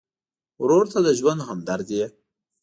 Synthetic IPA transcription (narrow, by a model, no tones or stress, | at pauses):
wɾoɾt̪ad̪əʒwand̪ɦamd̪aɾd̪ie